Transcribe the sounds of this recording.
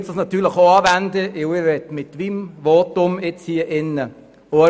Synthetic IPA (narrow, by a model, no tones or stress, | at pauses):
sd̥ɑsnɑt̪yːləχoɑːvændəʔɪwɪʋɛtmɪtʋimʋotʊmɪt͡shiːəʔɪnːə | o